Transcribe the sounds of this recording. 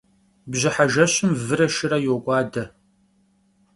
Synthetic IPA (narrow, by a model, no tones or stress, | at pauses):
bʑɪħaʒɐɕɪmvɨɾɐʃɪɾɐjoɡʷʼɑːdɐ